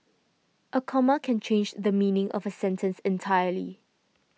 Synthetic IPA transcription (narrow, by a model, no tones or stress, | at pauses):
ʔəkʰɔməkʰɛ̃nt͡ʃʰẽnd͡ʒdəmĩnɪ̃ŋʔɔ̰vəsɛ̃ntʰə̃nsɛ̃ntʰajəlḭ